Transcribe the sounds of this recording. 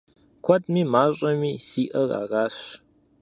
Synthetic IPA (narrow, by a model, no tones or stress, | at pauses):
kʷʰɐtʼmiːmaːɕʼɐmiːsiːʔɐra̰ːraːɕ